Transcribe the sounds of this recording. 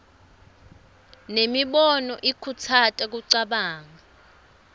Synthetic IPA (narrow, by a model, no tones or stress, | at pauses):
nemiɓɔnɔʔikʰut͡sʰatʼak̬uǀaɓaːŋa